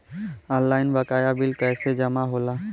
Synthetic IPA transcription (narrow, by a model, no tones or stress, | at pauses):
ɔllːaːɪnbəkaːjabɪlkɛːsed͡ʒəmaɦolaː